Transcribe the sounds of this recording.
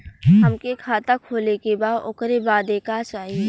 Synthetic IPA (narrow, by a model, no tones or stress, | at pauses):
ɦɐmkekʰaːt̪akʰoːlekebaːd̪ʊkɾebaːd̪eːkat͡ʃaːɦie